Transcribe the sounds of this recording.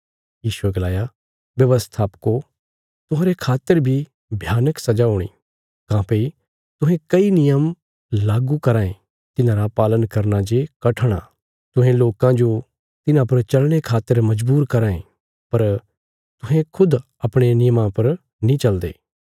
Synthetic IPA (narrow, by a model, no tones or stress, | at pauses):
jiːʃueɡɐlaːja | ʋjɐʋəst̪ʰaːpko | t̪ʊɦãːɾekʰaːt̪ːəɾbʱi | bʱjaːnəksɐd͡ʒaɦʊːɽ̃ḭː | kãːpei | t̪ʊɦẽkɐinɪjəm | laːɡukɐɾaːẽ | t̪ɪnãːɾapaːlənkɐɾnad͡ʒekɐʈʰɽ̃a̰ | t̪ʊɦẽloːkãd͡ʒo | t̪ɪnãpɐɾt͡ʃɐlɽ̃ekʰaːt̪ːəɾmɐd͡ʒbuːɾkɐɾãːḛ̃ | pɐɾ | t̪ʊɦẽkʰʊd̪ | ɐpɽ̃enɪjəmãpɐɾ | nĩt͡ʃɐld̪ḛː